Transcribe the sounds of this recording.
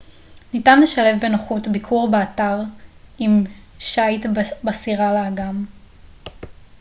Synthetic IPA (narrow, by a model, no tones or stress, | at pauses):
nitanleʃale̞vbe̞noχutbikʰuʁbeataʁim | ʃajtbasiʁaleːɡam